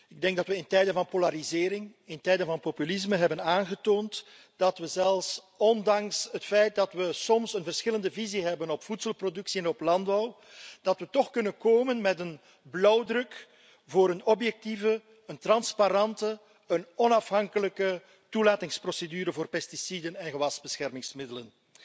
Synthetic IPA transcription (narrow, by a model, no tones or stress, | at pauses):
ɪɡ̚dɛŋɡ̚dɑtʋəɪntɛjdənvɑnpolaɾizɪːɾɪŋɪntɛjdənvɑnpopylɪsməɦɛbənaːnɣətoːnt | d̥ɑtʋəzɛlˠfs | ɔndɑŋsɦətfɛjt̚dɑtʋəsɔmsənvərsxɪləndəviziɦɛbənɔpfutsəlˠprodɵksiɛnɔplɑnd̚bɔw | d̥ɑtʋətɔxkɵnənkoːmənmɛtən | blɔwdrɵk | voːɾənɔpjɛk̚tivə | əntrɑnspaɾɑntə | ənɔnɑfɦɑŋkələkə | tulaːtɪŋsprosedyːɾəvoːrpɛstisidənɛnɣəʋɑzbəsxɛrmɪŋsmɪdələn